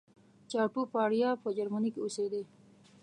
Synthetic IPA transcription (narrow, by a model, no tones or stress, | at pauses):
t͡ʃɑʈupɑɽjɑpəd͡ʒaɾmanikeosed̪e